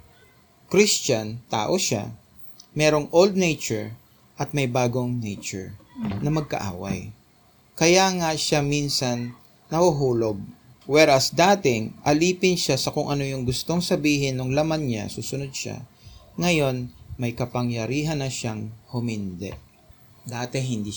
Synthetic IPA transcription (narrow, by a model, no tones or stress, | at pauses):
kɾist͡ʃɐnt̪a̰ːʔo̞ʃa̰ | mɛɾo̞ŋʔold̪̚nɛjt͡ʃɛɹ | ʔɐt̪̚mɐjbaːɡoŋnɛjt͡ʃʊ̰ɹnɐmɐɡ̚kɐ̰ʔa̰ːwɐ̰j | kɐjaŋaʃaminsɐnː | ɐhʊɦuːloɡ̚ | wɛɾɐsd̪aːt̪ɪŋʔɐliːpɪnʃasɐkʊŋʔɐno̞jʊŋɡʊst̪o̞ŋsɐbiːɦɪnːʊŋlɐmanɲa̰suːsʊnod̪̚ʃa̰ | ŋɐjo̞nmɐjkɐpɐŋjɐɾiːɦɐnːɐʃaŋhʊmɪnd̪ɛ̰ʔ | d̪aːt̪ɛɦɪnd̪iː